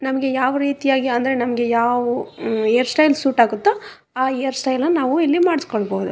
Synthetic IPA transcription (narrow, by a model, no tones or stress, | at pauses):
nɐmɐɡe̞jaːʋɐɾiːt̪ijaːɡiɐnd̪ɐɾe̞nɐmɐɡe̞jaːʋuejɐɾsʈɐjlsuːʈaːɡut̪ːe | aːejɐɾsʈɐjlnɐnaːʋuilːimaːɽiskoɭboːud̪u